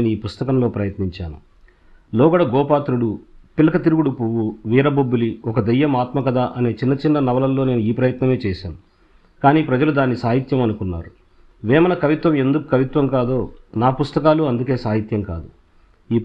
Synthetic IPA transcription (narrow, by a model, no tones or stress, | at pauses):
eːnuiːpust̪ɐkɐmlo̞ːpɾɐjɐt̪niɲt͡ʃaːnu | lɔːɡɐɽɐɡɔːpaːt̪ɾuɽupilɐkɐt̪iɾuɡuɽupuwuʋiːɾɐbobːuliɔkɐd̪ɐjːɐmaːt̪mɐkɐd̪aːʔɐne̞ːt͡ʃinːɐt͡ʃinːɐnɐʋɐlɐlːo̞ːne̞ːnuiːpɾɐjɐt̪nɐme̞ːt͡ʃɛːʃaːnu | kaːniːpɾɐd͡ʒɐlud̪aːnːisaːɦit̪jɐmɐnukunːa̰ːɾu | ʋɛːmɐnɐkɐʋit̪ʋɐme̞nd̪ukukɐʋit̪ʋɐmkaːd̪o̞ːnaːpust̪ɐkaːluɐnd̪uke̞ːsaːɦit̪jɐmka̰ːd̪u | iː